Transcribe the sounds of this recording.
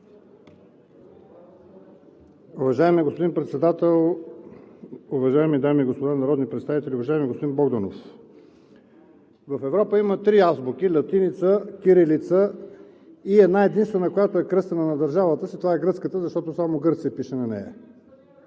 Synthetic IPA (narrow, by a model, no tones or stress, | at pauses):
ʊvɐʒaɛmiɡospod̪inpɾɛt̪sɛd̪at̪ɛlˠ | ʊvɐʒaɛmid̪amiːɡospod̪anɐɾɔd̪nipɾɛt̪st̪avit̪ɛliʊvɐʒaɛmiɡospod̪inbɔɡd̪ono̰f | vɐfɛvɾɔpəimət̪ɾiazbuk̟ilɐt̪init̪səkʲiɾilit̪sə | iɛd̪naɛd̪inst̪vɛnəkojat̪oɛkɾɤst̪ɐnənɐd̪əɾʒavət̪əsit̪ovaɛɡɾɤt̪skət̪əzɐʃt̪ɔt̪osamoɡɤɾt̪siɛpiʃɛnɐnɛ̰ɐ̰